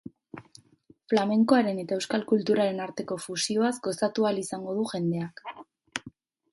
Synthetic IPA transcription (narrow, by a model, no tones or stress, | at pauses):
flame̞ŋko̞aɾe̞ne̞t̪ae̞wskalkult̪uɾaɾe̞naɾt̪e̞ko̞fusio̞azɡo̞sat̪ualisaŋɡo̞ð̞uʝe̞nd̪e̞ak